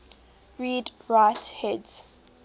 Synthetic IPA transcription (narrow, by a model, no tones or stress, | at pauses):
ɹiːdɹaɪthɛdz̥